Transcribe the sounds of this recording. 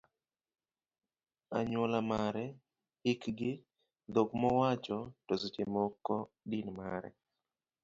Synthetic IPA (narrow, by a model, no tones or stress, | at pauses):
aɲolamaɾɛ | ɪkɡɪ | d̪oɡmɔwat͡ʃɔtosot͡ʃemɔkːɔ | dinmaɾɛ̰